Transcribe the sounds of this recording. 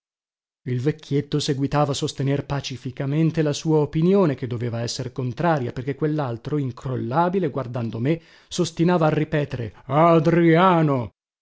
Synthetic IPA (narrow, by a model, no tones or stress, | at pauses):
ilvekʰːjet̪ːoseɡwit̪aːvaːsost̪enerpat͡ʃifikament̪elasuːaopinjoːneked̪ːoveːvaɛsːeɾkont̪ɾaːɾjaperk̟ekːwelːalt̪ɾoiŋkɾolːaːbileɡward̪and̪ome | sost̪inaːvaːrːipɛːt̪eɾḛad̪ɾiaːno